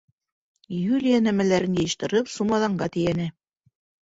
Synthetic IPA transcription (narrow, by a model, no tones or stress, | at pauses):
julʲijanæmælæɾɘnjɤ̆jɤ̆ʃt̪ɤ̆ɾɤpsumɑðɑɴɢɑt̪ɘ̆jænæ